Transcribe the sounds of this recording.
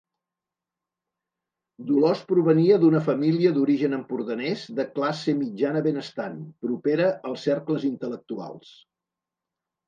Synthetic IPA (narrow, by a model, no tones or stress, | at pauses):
d̪ulɔspɾuβ̞əniəðunəfəmiliəðuɾiʒənəmpuɾðənɛzðəklasəmid͡ʒanəβenəst̪anpɾupeɾəʔəlˠsɛɾkləzint̪ələk̚t̪ua̰lˠs